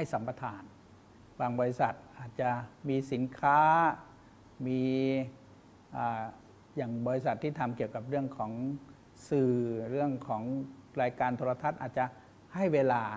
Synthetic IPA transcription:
ha˥˩jsa˩˦mpa˧t̪ʰaː˧n | waː˧ŋbɔː˧ɾi˧˥sa˨˩t̪̚ʔaː˨˩t̪̚t͡ɕa˧˩miː˧si˩˦nkʰaː˦˥ | miː˧ | ʔaː˨˧˩ | jaː˨˩ŋbɔː˧ɾi˦˥sa˨˩t̪ʰːiː˥˩t̪ʰa˧mki˨˩əwka˨˩p̚ɾɯ˥˩əŋkʰɔː˩˦ŋ | sɯː˨˩ɾɯ˥˩əŋkʰɔː˩˦ŋɾaː˧jkaː˧nt̪ʰoː˧la˧t̪ʰa˧˥˩t̪̚ʔaː˨˩t̪̚t͡ɕa˨˧˨ | ha˥˩jweː˧laː˧

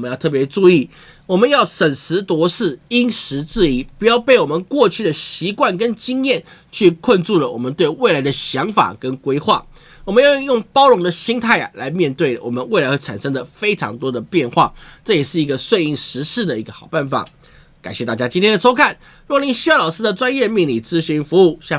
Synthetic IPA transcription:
mə˧˦jʊt̪ʰɤ˥˩p̬jɛ˧˥ʈ͡ʂu˥˧i˥˩ | wɔ˨˩mə˦njɑ˥˩ʊʂə˨˩nʂɻ̩˧˥t̪wɔ˧˥ʂɻ̩˥˩i˥nʂɻ̩˧˥t͡sɻ̩˥˩i˨˩pu˧˥jɑ˥˧ʊpe˥˩ɪwɔ˨˩mə˨˦nkwɔ˥˧t͡ɕʰy˥˩d̪ə˩ɕi˧˥kwa˥˩nkə˦nt͡ɕi˥ŋjɛ˥˨n | t͡ɕʰy˥˧kʰwə˥˧nʈ͡ʂu˥˩lə˩wɔ̰˨˩mə˦nt̪we˥˧ɪwe˥˩ɪla˧˥ɪd̪ə˧ɕjɑ˧˥ŋfa̰˨˩kə˦˥nkwe˥ɪxwa̰˥˩ | wɔ˨˩mə˦njjʊ˥˩ŋpɑ˥ʊɻʊ˧˥ŋd̪ə˨ɕi˥ŋt̪ʰa˥˩ɪa˩la˧˥ɪmjɛ˥˧nt̪we˥˩ɪ˩wɔ̰˨˩mə˦nwe˥˩ɪla˥ɪxʰa˨˩nʂɤ˥ŋd̪ə˨fe˥ɪʈ͡ʂʰɑ̰˧˥ŋt̪wɔ˥d̪ə˨pjɛ˥˧nxwa̰˥˩ʈ͡ʂɤ˥˩jɛ˨˩ʂɻ̩˥˩i˧˥ɡə˧swe˥˧ɪi˥˩ŋʂɻ̩˧˥ʂɻ̩˥˩d̪ə˩i˧˥ɡə˧xɑ˨˩ʊpa˥˩nfa̰˨˩˦ | ka˨˩nɕjɛ˥˧t̪a˥˩t͡ɕja˥t͡ɕi˥nt̪ʰjɛ˥nə˩ʂo˥ʊkʰa˥˩n | ɻni˧˥ŋɕy˥˧jɑ˥˩lɑ˨˩ʊʂɻ̩˥d̪ə˨˩ʈ͡ʂwa˥njɛ˥˧mi˥˧ŋli˨˩t͡sɹ̩˥ɕy˧˥nfu˧˥u˥˩ɕja˥˧˩

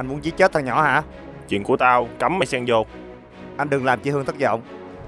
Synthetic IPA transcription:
ʔa˧nmu˨˦ənzi˧˦t͡ɕe˦t̪̚ʰa˨˩ŋɲɔ̰˧˩ha̰ː˧˥ | t͡ɕwḭ˧˨nku˧˩ət̪aː˧wka˨˦mːa˧˩jsɛː˧ŋzo˧˩ | ʔa˧n̟ɗɨ˨˩ŋlaː˨˩mt͡ɕi˧hɨ˧ŋt̪ʰɨ˦˥t̚zɔ̰˧˨wŋ͡m

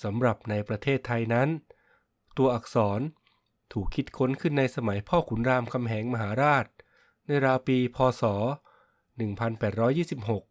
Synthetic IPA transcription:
sa˩˦mɾa˨˩p̚na˧jpɾa˧t̪ʰeː˥˩t̪ʰːa˧jna˦˥n | t̪u˧ɐʔa˨˩k̚sɔː˩˦n | t̪ʰuː˨˩kʰːi˦˥t̪̚kʰo˦˥nkʰɯ˥˩nːa˧jsa˧ma˩˦jpʰɔː˥˩kʰu˩˦nɾaː˧mkʰa˧mɦɛː˩˦ŋma˧ɦaː˩˦ɾaː˥˩t̪̚ | na˧jɾaː˧wpiː˧pʰɔː˧sɔː˩˦ | nɯ˨˩ŋpʰa˧npɛː˨˩t̪̚ɾɔː˦˥jːiː˥˩si˨˩p̚ɦo˨˩k̚

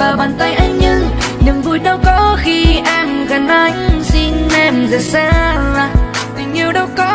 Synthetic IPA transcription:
vaː˨˩ɓaː˨˩nt̪ə˧jʔa˧jɲɨ˧ŋ | ɲɨ˨˩ŋvu˧˩jɗə˧wkɔ˨˦xi˧ʔaː˧nɣa˨˩nʔa˧˩jŋsi˧nnɛ˧˩mzə˨˩saː˧˥laː˨˩t̪ɨ˨˩ŋ̟i˨˩wɗə˧wkɔ˧˦˥

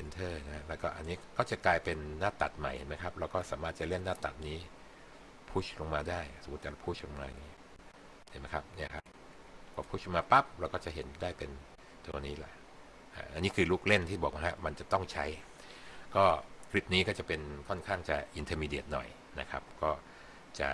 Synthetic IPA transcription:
pʰe˧nt̪ʰɤː˥˩na˦˥ha˦˥lɛː˦˥wkɔː˥˩ʔa̰˧nːiː˦˥kɔː˥˩t͡ɕa˨˩klaː˧jpe˧nːaː˥˩t̪ːa˨˩t̪̚ma˨˩jhe˨˦nma˦˥jkʰa˦˥p̚ɾɛ˧˦˥wkɔː˥˩saː˩˦maː˥˩t̪̚t͡ɕa˨˩le˥˩nːaː˥˩t̪ːa̰˨˩t̪̚niː˦˥ | pʰu˦˥˩lo˧ŋmaː˧daː˥˩jso˨˩˦t̪̚t̪ːɛ˨˩˧pʰu˦˥˩lo˧ŋmaː˧a˨˩ŋi˦˥ | he˨˦nma˦˥jkʰa˦˥p̚ni˥˩ɐkʰa˦˥p̚ | pʰɔː˨˧˩pʰu˦˥˩ʔlo˧maː˧pa˦˥˩p̚ɾwkɔː˥˩t͡ɕa˨˩ɦe˩˦ndaː˥˩jpe˧n | t̪u˧niː˦˥lɛ̰˨˩˦ | ʔa̰˧˩ʔa˧nːiː˦˥kʰɯː˧luː˥˩k̚le˥˩nt̪ʰiː˥˩bɔː˨˩k̚ma˧˥ɦa˦˥ma˧nt͡ɕa˨˩t̪ɔ˥˩ŋt͡ɕʰa˦˥j | kɔː˥˩kʰɾi˦˥p̚niː˦˥kɔː˥˩t͡ɕa˨˩pe˧nkʰɔ˥˩nkʰaː˥˩ŋt͡ɕa˨˩ʔi˧nt̪ʰəː˧miː˧dḛ˨˩ət̪̚nɔ̰˨˩j | na˦˥kʰa̰˦˥p̚kɔː˥˩ | t͡ɕa̰˨˩

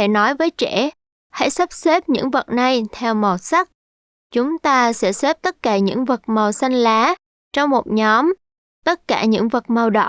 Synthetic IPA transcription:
e˧˩nɔ˨˦jvəː˨˦jt͡ɕɛ˧˩˨ | ha̰˧˥jsa˦˥p̚se˦˥p̚ɲɨ̰˧˥ŋvə˨˩t̚na˧jt̪ʰɛ˧wmə˨˩w̚sa˦˥k̚ | t͡ɕʊ˨˦ŋ͡mt̪aː˧sɛ̰˧˥sɛ˦˥p̚t̪ə˦˥t̚kaː˧˩ɲɨ̰˧˥ŋvə˨˩k̚mə˨˩wsa˧jŋ̟laː˨˦ | t͡ɕɔ˧wŋ͡mmo˨˩t̚ɲɔ˨˦m | t̪ə˦˥t̚kaː˧˩ɲɨ̰˧˥ŋvə˨˩k̚mə˨˩wɗə̰˧˨

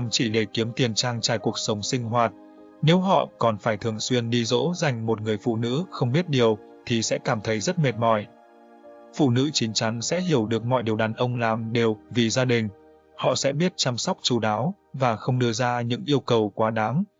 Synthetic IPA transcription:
mt͡ɕi˧˩ɗe˧˩ki˨˦əmt̪i˨˩ənt͡ɕaː˧ŋt͡ɕaː˧˩jku˨˩ək̚sə˨˦wŋ͡msï˧ŋ̟ɦwaː˨˩t̚ | ne˨˦wɦɔ̰˧˨kɔ˨˩nfaː˧˩jt̪ʰɨ˨˩əŋswi˧ənɗi˧zo̰˧˥za˨˩jŋ̟mo˨˩t̚ŋɨ˨˩əjfṵ˧˨nɨ̰˧˥xə˧wŋ͡mɓi˦˥ət̚ɗi˨˩əw | t̪ʰi˨˩sɛ̰˧˥kaː˧˩mt̪ʰə˨˦jzə˦˥t̚me˨˩t̚mɔ˧˩j | fṵ˧˨nɨ̰˧˥t͡ɕi˨˦ŋ̟t͡ɕa˨˦ŋsɛ̰˧˥ɦi˧˩əwɗɨ˨˩ək̚mɔ̰˧˨jɗi˨˩əwɗaː˨˩nʔə˧wŋ͡mlaː˨˩mɗe˨˩wvi˨˩zaː˧ɗï˨˩ŋ̟ | hɔ̰˧˨sɛ̰˧˥ɓi˦˥ət̚t͡ɕa˧msɔ˦˥wk͡p̚t͡ɕu˨˩ɗaː˨˦w | vaː˨˩xə˧wŋ͡mɗɨ˧əzaː˧ɲɨ̰˧˥ŋʔi˧əwkə˨˩wkwaː˨˦ɗaː˨˦ŋ

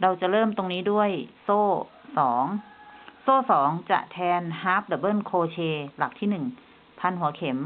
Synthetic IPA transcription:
ɾa˧wt͡ɕa˨˩ʔɾɤː˥˩mt̪o˧ŋniː˦˥du˥˩əjsoː˥˩ | sɔː˩˦ŋsoː˥˩sɔː˩˦ŋt͡ɕa̰˨˩ʔt̪ʰɛː˧nhaː˦˥p̚lɛː˧˩bɤː˥˩nkʰoː˧t͡ɕʰeː˧la˨˩k̚t̪ʰiː˥˩nɯ˨˩ŋ | pʰa˧nɦu˩˦ɐkʰe˩˦m

